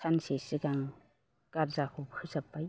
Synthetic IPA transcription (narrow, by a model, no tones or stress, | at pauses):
sansesiɡaŋ | kaɾzakʰɔpkʰɯzapːaj